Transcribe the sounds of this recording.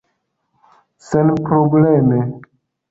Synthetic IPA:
senpɾobleme

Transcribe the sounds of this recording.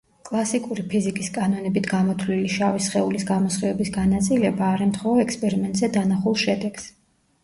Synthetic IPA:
kʼlˠasikʼuɾipʰizikʼiskʼanɔnɛbit̪ʰɡamɔt̪ʰliliʃavisχɛulisɡamɔsχiɛbisɡanat̪sʼilɛbaːɾɛmt̪ʰχɔɔɛkspʼɛɾimɛnt̪ʼzɛd̪anaχulˠʃɛd̪ɛɡ̥s

